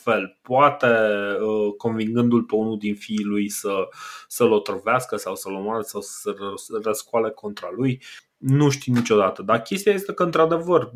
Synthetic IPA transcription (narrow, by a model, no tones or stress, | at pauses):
fe̞lpoat̪e̞əko̞nviŋɡɨnd̪ulpe̞unuld̪infiːlujsəsəlo̞t̪ɾoveaskəsawsəlomoaɾəsawsə̥sərəskuale̞ko̞nt̪ɾaluj | nuʃt̪init͡ʃo̞d̪at̪əd̪arkʲe̞st̪ijaje̞st̪e̞kəɨnt̪ɾad̪e̞vər